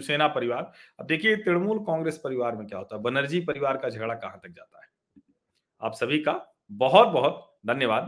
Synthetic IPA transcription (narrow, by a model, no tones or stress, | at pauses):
seːnapɐɾɪʋaːɾɐb̚d̪eːkʰiet̪ɪɽmuːlkɔ̃ːŋɡɾeːspɐɾɪʋaːɾmẽkja̰ɦoːt̪aɦɛbɐnəɾd͡ʒipɐɾɪʋaːɾkad͡ʒʱɐɡɽakɐɦãt̪ɐk̚d͡ʒa̰ːt̪a̰ɦɛː | a̰ːpsɐbʱika | bɐɦʊt̪̚bɐɦʊt̪ | d̪ʱɐnjəʋaːd̪